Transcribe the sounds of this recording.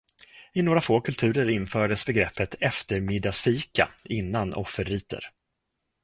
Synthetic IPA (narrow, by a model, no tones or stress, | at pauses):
ɪnoːɾafoːkʰɵlt̪ʰʉ̟ːɾəɾɪnfœːɖəsbɛɡɾɛpːət̪ɛft̪əɾmɪd̪asfiːka̰ɪnːanɔ̰fːəɾiːt̪ə̰ɾ